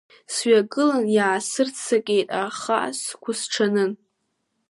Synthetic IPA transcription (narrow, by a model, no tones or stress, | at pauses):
sɥaɡʼɨlanjaːsɨrt͡sʰakʲʼejtʼaχa̰ʔskʷʰʊsʈ͡ʂʰanɨn